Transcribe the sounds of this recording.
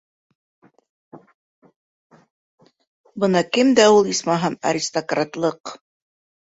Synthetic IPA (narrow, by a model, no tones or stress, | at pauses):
bɤnɑkɘmd̪æulˠismɑɦɑnɐ̰ɾʲist̪okrat̪lˠɤq